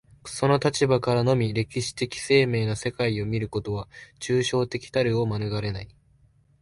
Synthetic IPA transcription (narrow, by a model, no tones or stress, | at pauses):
so̞no̞t̪at͡ɕibakaɾano̞mʲiɾe̞kʲiɕi̥t̪e̞kʲi̥se̞ːme̞ːnase̞kaio̞mʲiɾɯ̟ko̞t̪o̞β̞at͡ɕɨːɕo̞ːt̪e̞kʲi̥t̪aɾɯ̟o̞manɯɡaɾe̞nai